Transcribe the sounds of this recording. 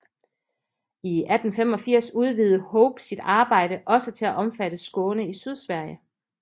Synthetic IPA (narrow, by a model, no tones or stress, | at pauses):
iæd̥n̩fem̰ɒ̽fiɐ̰suð̞ˠʋiːð̞̩ˠəhɔʊb̥sid̥ɑ̈ːb̥ɑ̈ɪ̰ɾəʔɒ̽sət͡sʰe̝læʔɒ̽mfæɾ̥əsɡ̥ɔːnəisyð̞ˠsʋæɐ̰jə